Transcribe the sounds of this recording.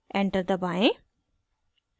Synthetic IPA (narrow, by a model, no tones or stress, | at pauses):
ɛ̃ɳʈəɾd̪əbaɪ̃